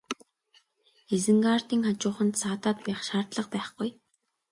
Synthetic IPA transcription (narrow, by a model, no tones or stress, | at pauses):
esɘ̆ŋɢaːr̥t̪iːŋχat͡ɕʊːχə̆nt̪saːt̪aːt̪pæːχʃaːrt̪ɮə̆q̚pæːχɡ̥uj